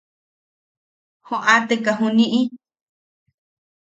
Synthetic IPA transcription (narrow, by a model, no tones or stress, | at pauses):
hõʔat̪ekaɦũnĩʔĩ